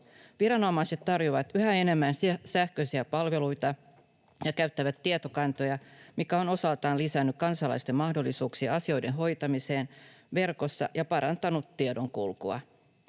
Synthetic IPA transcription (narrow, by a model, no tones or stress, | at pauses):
ʋiɾɑno̞mɑjse̞t̪tːɑrjoʋɑt̪yhæene̞mːænssæhkøsiæpɑlʋe̞lujt̪ɑ | jɑkæɥt̪ːæʋæt̪ːiet̪o̞kɑnt̪o̞jɑmikæo̞no̞sɑlt̪ɑːnlisænːykkɑnsɑlɑ̰jst̪e̞mːɑhdo̞lːisuːksiɑɑsio̞jde̞nɦo̞jt̪ɑmise̞ːnʋe̞rko̞sːɑ̰jɑpɑɾɑnt̪ɑnut̪ːiedo̞ŋkulkuɑ̰